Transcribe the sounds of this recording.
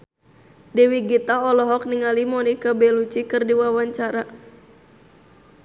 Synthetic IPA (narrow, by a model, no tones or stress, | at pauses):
dɛwiɡit̪aɔlɔɦɔk̚niŋalimɔnikabɛlut͡ʃikɨrdiwawaɲt͡ʃaɾa